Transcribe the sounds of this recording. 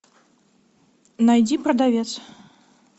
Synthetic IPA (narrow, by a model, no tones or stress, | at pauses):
najd͡zʲipɾɐd̪avʲɛt̪s